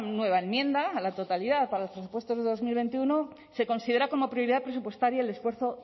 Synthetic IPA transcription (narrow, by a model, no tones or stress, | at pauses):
nwe̞β̞aenmjẽ̞nd̪alat̪o̞t̪aliðaðpaɾalopɾe̞supwe̞st̪o̞zðe̞ðo̞zmilβ̞e̞nt̪iuno̞ | se̞ko̞nsið̞e̞ɾako̞mo̞pɾjo̞ɾiðapɾe̞supwe̞st̪aɾjaele̞sfwe̞ɾθo̞